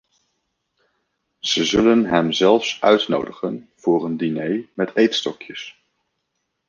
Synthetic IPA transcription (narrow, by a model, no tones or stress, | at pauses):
z̥əzɵlənɦɛmzɛlˠfsœɥtno̰wdəχən | v̥ʊːrəndinejmɛtʰejtstɔkjəs